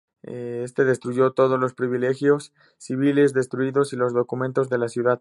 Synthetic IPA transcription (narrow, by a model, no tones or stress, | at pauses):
ee̞st̪e̞ðe̞st̪ɾuʝo̞t̪o̞ð̞o̞zlo̞spɾiβile̞xjo̞sː | iβ̞ile̞zðe̞st̪ɾuiðo̞silo̞zðo̞kumẽ̞nt̪o̞zðe̞lasjuðað